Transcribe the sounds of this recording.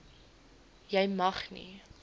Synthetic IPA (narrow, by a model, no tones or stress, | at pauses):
jɛjmɐχnḭ